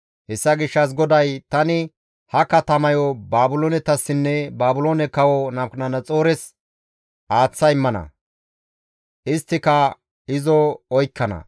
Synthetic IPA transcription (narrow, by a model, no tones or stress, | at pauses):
hɛsːɐɡɪʃːɐs̬ɡɔd̪ɐjt̪ɐnɪ | hɐkːɐt̪ɐmɐjɔbaːbʊloːnɛt̪ɐsːɪnːɛbaːbʊloːnɛkɐwɔnɐmknɐnɐt͡sʼo̞ːɾɛs | ʔaːt͡sːɐjɪmːɐnɐ̰ | ʔɪst̪ːɪkɐ | ɪzɔɔjkːɐnɐ̰